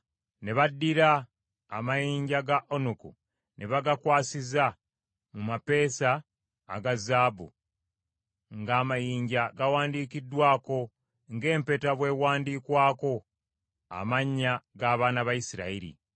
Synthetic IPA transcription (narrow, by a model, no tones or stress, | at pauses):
ne̞βadːiɾaː | majiːɲɟaɡaʔonukṵ | nʔeβaɡakwaːsiza | mumape̞ːsa̰ː | ɡazaːbṵ | ŋɡaːmajiːɲɟaɡawaːndiːkidːwaːko̞ | ŋɡe̞ːmpe̞taβwe̞ːwaːndiːkwaːko̞ | a̰maɲːaɡaːβaːnaβajisiɾa̰iɾḭ